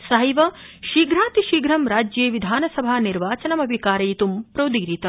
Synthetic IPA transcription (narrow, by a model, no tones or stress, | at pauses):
sɐɦɐjʋɐ | ʃiːɡɾaːt̪iʃiːɡɾɐmɾaːd͡ʒjeːʋid̪ʱaːnɐsɐbʱaːniɾʋaːt͡ʃɐnɐmɐbʱikaːɾɐjit̪umpɾɐwd̪iɡɾit̪ɐ